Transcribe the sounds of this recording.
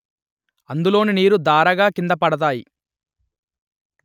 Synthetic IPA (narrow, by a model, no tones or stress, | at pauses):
ɐnd̪ulo̞ːniniːɾud̪aːɾɐɡaːkind̪ɐpɐɽɐt̪̬aːji